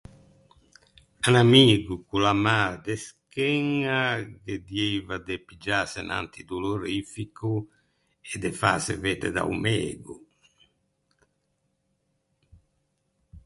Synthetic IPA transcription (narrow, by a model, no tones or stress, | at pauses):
anamiːɡukulamaːɾad̪ɛskɛŋːaked̪jejvad̪epid͡ʒaːsɛnʔa̰nt̪id̪uloɾifikʰu | ɛd̪ɛfa̰ːsɛ̰vɛːd̪ɛ̰d̪a̰ṵmɛːɡṵ